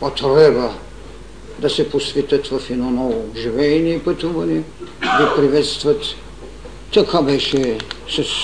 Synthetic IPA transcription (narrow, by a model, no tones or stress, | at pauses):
pat̪ɾɛbɐ | d̪ɐsɛposvɛt̪ət̪vɐfinɔnɔvoʒivɛːniɛpət̪uvɐnɛ | d̪ɐpɾivɛt̪st̪vɐt̪ː | ɐkʰabɛʃɛsɐs